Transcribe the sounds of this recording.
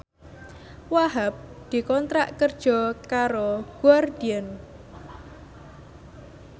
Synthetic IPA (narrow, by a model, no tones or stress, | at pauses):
waɦap̚ | d̪̥i̤kɔnt̪ɾa̰ʔkərd̥ʒ̥ɔ̤kaɾoɡ̥uard̪̥iɛn